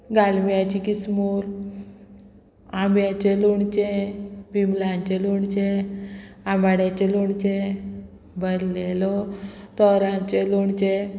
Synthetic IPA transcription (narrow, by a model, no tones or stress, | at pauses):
ɡalmijat͡ɕikismuɾ | amjat͡ɕeluɳt͡ɕebimlãɲt͡ɕeluɳt͡ɕe | amaɽjat͡ɕeluɳt͡ɕe | bəɾlelɔt̪ɔɾaɲt͡ɕeluɳt͡ɕe